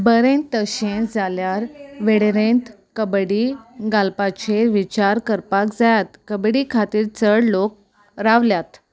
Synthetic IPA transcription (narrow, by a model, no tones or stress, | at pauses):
bəɾẽnt̪ːəɕẽd͡zaljaɾʋeɽeɾẽnt̪ | kəbɽiɡalpat͡ɕeʋit͡ɕaɾkəɾpakd͡zajat̪kəbɽikʰat̪iːɾt͡səɽlok̚ | ɾaʋljat̪